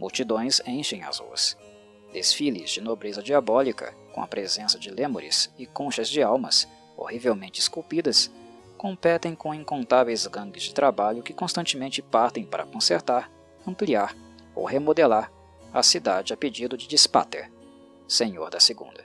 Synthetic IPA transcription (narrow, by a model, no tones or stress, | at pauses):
muwt͡ʃid̪õj̃zẽj̃ʃẽj̃a̰zṵs | d̪esfilɪzd͡ʒɪnobɾezɐd͡ʒiabɔlikɐ̰kõ̰ɐ̰pɾʔezẽsɐd͡ʒɪlẽmo̰ɾɪ̰sɪkõʃɐzd͡ʒɪawmɐs | o̰hivewmẽnt͡ʃɪskuwpid̪ɐs | kõmpɛt̪ẽj̃kõĩkõnt̪avejzɡɐ̃ɡɪzd͡ʒɪt̪ɾabaʎʊkɪkõst̪ɐ̃nt͡ʃɪmẽnt͡ʃɪpaɾt̪ẽj̃pa̰ɾɐ̰kõseɾt̪aɾ | ɐ̃mpliaɾ | o̰whemod̪elaɾ | ɐ̰sid̪ad͡ʒɪɐped͡ʒid̪ʊd͡ʒɪd͡ʒispa̰t̪ḛɾ | sẽɲo̰ɾd̪ɐseɡṵ̃nd̪ɐ